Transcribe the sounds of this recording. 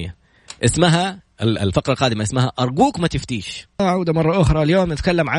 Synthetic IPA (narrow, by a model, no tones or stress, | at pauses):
ja | ʔɪsmaɦaʔɪɪ̰lfɑqɾˤɑlqɑːd̪ɪmaʔɪsmaɦaʔɑɾˤɡuːkmat̪ɪft̪iːʃaʕawd̪amɑrˤːɑʔʊxɾˤɑljoːmnɪt̪kalːamʕa